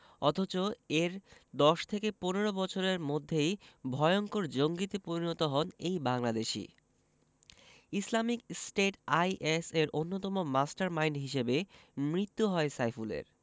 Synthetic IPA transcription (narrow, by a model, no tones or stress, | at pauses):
ɔt̪ʰot͡ɕoeɾd̪ɔʃt̪ʰekeponeɾobɔt͡ɕʰoɾeɾmod̪ʱːejbʱɔjoŋkoɾd͡ʑoŋɡit̪epoɾinot̪oɦɔnejbaŋlad̪eʃḭ | islamik̚sʈeʈajʔeseɾʔonːot̪ɔmomasʈaɾmajɳɖɦiʃebemɾit̪ːuɦɔesajfulḛɾ